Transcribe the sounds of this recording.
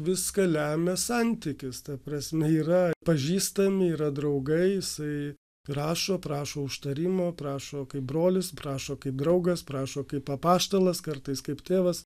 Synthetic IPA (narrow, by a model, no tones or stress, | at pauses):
ʋʲɪskɐlʲæːmʲɛsɐnʲtt̪ʲɪkʲɪst̪ɐpɾɐsʲmʲɛiːɾɐpɐʒʲiːst̪ɐmʲɪiːɾɐd̪ɾɐʊɡɐɪjɪsɐɪ | rɑːʃoːpɾɑːʃoːʊʃt̪ɐɾʲɪmoːprɑːʃoːkɐɪp̚bɾoːlʲɪspɾɑːʃoːkɐɪp̚d̪ɾɐʊɡɐspɾɑːʃoːkɐɪpɐpɑːʃt̪ɐlˠɐskɐrt̪ɐɪskɐɪpt̪ʲeːʋɐs